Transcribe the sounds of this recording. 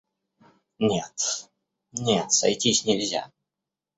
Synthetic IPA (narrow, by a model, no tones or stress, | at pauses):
nʲet̪ | nʲet̪sɐ̰jtʲisʲnʲɪlʲzʲa̰